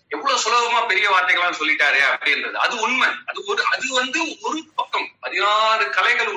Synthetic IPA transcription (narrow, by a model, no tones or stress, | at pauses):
ɛʋːɐɭoːsɔlɐʋɐmaːpɛɾɪjɐʋaːɾt̪ɐɪɣɐɭaːnsɔlːɪʈːaːɾɯɐpɐɽɪɪndrɐðɯɐ̰ðɯʊɳmɐnɐðɯɔɾɯɐðɯʋɐnd̪ɯɔɾɯpɐkːɐmpɐðɪnaːɾɯkɐlɐɪɣɐɭ